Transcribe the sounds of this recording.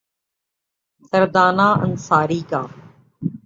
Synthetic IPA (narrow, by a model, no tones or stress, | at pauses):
t̪əɾd̪aːnãːʔə̰nsaːɾiːkaː